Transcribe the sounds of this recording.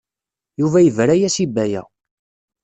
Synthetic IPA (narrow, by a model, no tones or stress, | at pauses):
juvæjəvɾæjæsibːæjæ̰